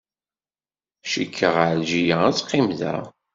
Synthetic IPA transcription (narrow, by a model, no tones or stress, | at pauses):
ʃikʰːəʁaɾʒijaæt͡sːqːimðæ̰